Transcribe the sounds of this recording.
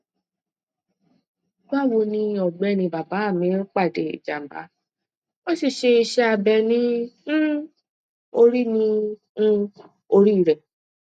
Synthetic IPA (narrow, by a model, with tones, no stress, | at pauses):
ɡ͡ba˦˨wo˧nĩ˧ɔ˨ɡ͡bɛ˨˧˨nĩ˧˨ba˨ba˨˦a˦˨mĩ˨˦k͡pa˦˨de˨ḭ˨d͡ʒa̰˨m̩˨ba̰˨˦ | wɔ˦ʃi˦˨ʃe˧i˧ʃɛ˧a˧bɛ˧nĩ˦ | o˧ɾi˦nĩ˧˦ | o˧ɾi˦˨ɾɛ˨